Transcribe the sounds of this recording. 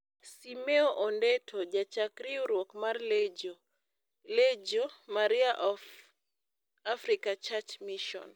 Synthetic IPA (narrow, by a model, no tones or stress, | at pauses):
simɛɔʔɔndɛtʰɔd͡ʒat͡ʃakɾiuɾwɔkmarlɛd͡ʒɔ | led͡ʒɔmaɾiaʔɔf | afɾikat͡ʃat͡ʃmiʃɔ̰n